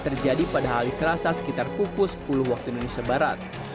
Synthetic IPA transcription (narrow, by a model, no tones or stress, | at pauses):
t̪ərd͡ʒadipadaɦalisəlasasə̥kit̪arpukʊspulʊhwak̚t̪uindonesiabaɾat̪̚